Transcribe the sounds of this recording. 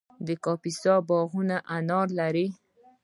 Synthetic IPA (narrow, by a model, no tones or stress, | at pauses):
d̪əkɑpisɑbɑɣunaʔanɑɾlaɾi